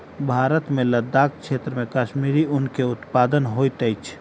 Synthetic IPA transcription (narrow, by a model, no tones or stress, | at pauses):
bʱaːɾət̪mẽləd̪aːkʰkʃʰeːt̪ɾəmẽkaʃmiːɾiʊnkeʊt̪paːd̪ənɦoːjt̪əjt͡ʃʰ